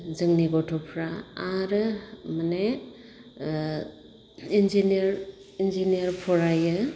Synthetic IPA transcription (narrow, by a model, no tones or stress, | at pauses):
zɯŋniɡɔtʰɔpʰɾaaɾɯmane | inziniɾ | inzinijɐɾpʰɔɾajɯ